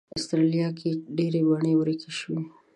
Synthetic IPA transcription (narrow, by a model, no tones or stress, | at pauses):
ast̪ɾalijɑkʰeɖeɾebaɳewɾikeʃwi